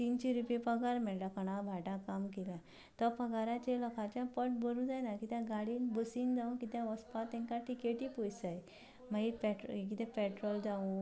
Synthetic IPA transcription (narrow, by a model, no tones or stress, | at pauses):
t̪int͡ɕiɾupepəɡaɾmɛɭlakəɽ̃abʱaʈakamkelã | t̪ɔpəɡaɾat͡ɕelɔkʰat͡ɕjapəʈbəɾũd͡zajnakit̪jãɡaɽiːnbəsind͡zaũkit̪jãʋəspat̪ɛ̃ŋkaʈikeʈipojsaj | maɦipɛʈɾkit̪ɛ̃pɛʈɾɔld͡zaũ